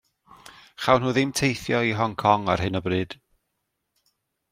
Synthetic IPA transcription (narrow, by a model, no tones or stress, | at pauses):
χawnhuːðɪmtʰejθjɔiɦɔŋkʰɔŋarɦɨnəbrɨːd̥